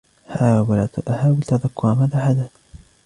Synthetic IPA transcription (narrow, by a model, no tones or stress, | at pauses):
hawalaʔahaːwɪlt̪aðakːʊɾamaðaħad̪at